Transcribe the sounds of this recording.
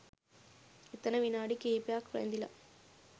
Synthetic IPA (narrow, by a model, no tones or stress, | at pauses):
ɪt̪ːɐnɐʋinaːɽikːeːpjaːkpɐ̰nd̪ɪlɐ̰